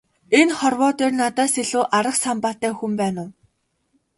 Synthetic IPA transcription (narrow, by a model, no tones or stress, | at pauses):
enχɔrwɔːt̪eːrnat̪æːseɮuːʔaɾə̆χsampaːt̪æːxumpæːnʊː